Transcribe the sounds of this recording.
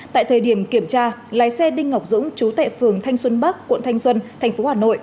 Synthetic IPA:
t̪a̰ː˧˨jt̪ʰəː˨˩jɗi˧˩əmki˧˩əmt͡ɕaː˧laː˨˦jsɛ˧ɗï˧ŋ̟ŋa˨˩wk͡p̚zʊ̰˧˥ŋ͡mt͡ɕu˨˦t̪a̰ː˧˨jfɨ˨˩əŋt̪ʰa˧jŋ̟swə˧nɓa˦˥kːw̰nt̪ʰa˧jŋ̟swə˧nt̪ʰɛ˨˩ŋ̟fo˨˦haː˨˩no̰˧˨jʔ

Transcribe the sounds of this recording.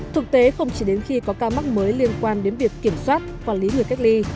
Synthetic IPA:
t̪ʰɨ˨˩k̚t̪e˨˦xə˧wŋ͡mt͡ɕi˧˩ɗe˨˦nxi˧kɔ˨˦kaː˧wma˦˥k̚məː˨˦jli˧ənkwaː˧nɗe˨˦nvi˨˩əkːi˧˩əmswaː˦˥t̚kwaː˧˩li˨˦ŋɨ˨˩əka˦˥k̟̚li˧

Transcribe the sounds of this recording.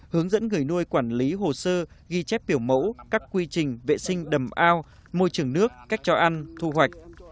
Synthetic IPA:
hɨ˨˦əŋzə̰˧˥nŋɨ˨˩əjnu˧əjkwaː˧˩nli˨˦ɦo˨˩səː˧ | ɣi˧t͡ɕɛ˦˥p̚ɓi˧˩əwmə̰˧˥wkaː˦˥kkwi˧t͡ɕï˨˩ŋ̟vḛ˧˨sï˧ŋ̟ɗə˨˩mʔaː˧w | mo˧jt͡ɕɨ˨˩əŋnɨ˦˥əkːa˦˥jk̚t͡ɕɔ˧ʔa˧nt̪ʰu˧hwa˨˩jk̟̚

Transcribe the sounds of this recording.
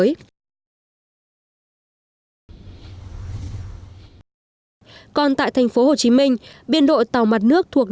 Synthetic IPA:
j | kɔ˧nt̪a̰ː˧˨jt̪ʰa˨˩jŋ̟fo˨˦ho˨˩t͡ɕi˨˦mï˧ŋ̟ɓi˧ənɗo̰˧˨jt̪a˨˩wma˨˩t̚nɨ˦˥ək̚t̪ʰu˨˩ək̚

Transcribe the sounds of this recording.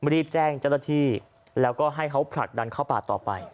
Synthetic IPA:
ɾiː˥˩p̚t͡ɕɛː˥˩ŋt͡ɕa˥˩wnaː˥˩t̪ʰiː˥˩ | lɛː˦˥wkɔː˥˩ɦa˥˩jkʰa˦˥wpʰɾa̰˨˩k̪̚da˧nkʰa˥˩wpaː˨˩t̪ːɔː˨˩pa̰˧j

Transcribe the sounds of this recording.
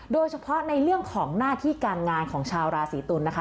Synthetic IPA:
doː˧jt͡ɕʰa˧pʰɔ˦˥na˧jɾɯ˥˩əŋkʰɔː˩˦ŋnaː˥˩t̪ʰiː˥˩kaː˧nŋaː˧nkʰɔː˩˦ŋt͡ɕʰaː˧wɾaː˧siː˩˦t̪u˧nːa˦˥kʰa˦˥

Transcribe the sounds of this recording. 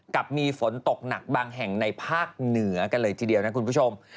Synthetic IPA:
ka˨˩p̚miː˧fo˩˦nt̪o˨˩k̚na˨˩k̚baː˧ŋɦɛ˨˩ŋna˧jpʰaː˥˩k̚nɯ˩˦ɐka˧nlɤː˧jt̪ʰiː˧di˧əwna˦˥kʰu˧npu˥˩o˧m

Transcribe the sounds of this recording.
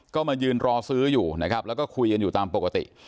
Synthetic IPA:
kɔː˥˩ma˧jɯː˧nɾɔː˧sɯː˦˥juː˨˩na˦˥kʰɾa˦˥p̚lɛ˦˥wkɔː˥˩kʰu˧jka˧njuː˨˩t̪aː˧mpo˨˩ka˧t̪ḭ˨˩ʔ

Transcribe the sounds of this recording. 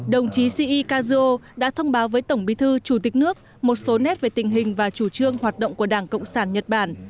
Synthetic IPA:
ɗə˨˩wŋ͡mt͡ɕi˨˦si˧ʔi˧kaː˧zɨ˧o˧ɗa̰ː˧˥t̪ʰə˧wŋ͡mɓaː˨˦wvəː˨˦jt̪ə˧˩wŋ͡mɓi˨˦t̪ʰɨ˧t͡ɕu˧˩t̪ï˨˩k̟̚nɨ˦˥ək̚ | mo˨˩t̚so˨˦nɛ˦˥t̚ve˨˩t̪ï˨˩ŋ̟ɦï˨˩ŋ̟vaː˨˩t͡ɕu˧˩t͡ɕɨ˧əŋhwaː˨˩t̚ɗə̰˧˨wŋ͡mku˧˩əɗaː˧˩ŋkə̰˧˨wŋ͡msaː˧˩nɲə˨˩t̚ɓaː˧˩n

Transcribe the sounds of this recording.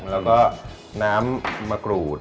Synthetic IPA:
lɛː˦˥wkɔː˥˩ | naː˦˥mːaː˧kɾuː˨˩t̪̚

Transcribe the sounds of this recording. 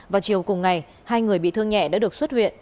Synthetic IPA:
vaː˨˩wt͡ɕi˨˩əwkʊ˨˩ŋ͡mŋa˨˩j | haː˧jŋɨ˨˩əjɓḭ˧˨t̪ʰɨ˧əŋɲɛ̰˧˨ɗa̰ː˧˥ɗɨ˨˩əkswt̚hwḭ˧˨ən

